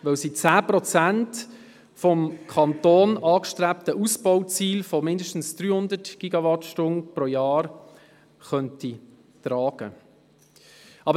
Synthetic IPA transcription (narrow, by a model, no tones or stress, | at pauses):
ʋœwsit͡sæːprɔt͡sænt | fɔmkʰɑnt̪oːnɑːkʃtɾæptəʔusb̥ɔwt͡siːlfɔmɪndəʃtn̩sd̥ɾyːhʊnd̪ətɡ̥iɡɑʋɑtʃtʊnpɾoːjɑːɾ | χœnti | trɑːɡ̥ə | ɑbə